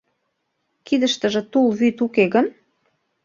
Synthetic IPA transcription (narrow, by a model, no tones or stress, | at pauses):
kid̪əʃt̪ə̆ʒĕt̪ulβyt̪ukeɣən